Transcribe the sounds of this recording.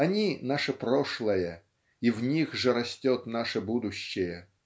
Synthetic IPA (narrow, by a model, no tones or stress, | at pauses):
ɐnʲinaʂəpɾoʂlˠəjə | ivnʲixʐɨɾɐsʲtʲot̪naʂəbud̪ʊɕːɪjə